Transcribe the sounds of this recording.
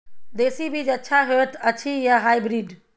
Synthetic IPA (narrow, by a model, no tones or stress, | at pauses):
d̪eːsibʱid͡ʒɐtːʃʰaɦet̪ɐt͡ʃʰijaɦaːibɾiːɖ